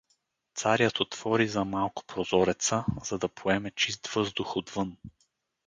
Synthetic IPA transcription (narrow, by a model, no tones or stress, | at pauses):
t̪saɾjət̪ot̪v̥ɔɾizɐmalˠkʊ̥pɾozɔɾɛt̪səz̥ɐd̪ɐpʰoɛmɛt͡ʃist̪v̥ɤzd̪ʊxod̪vɤn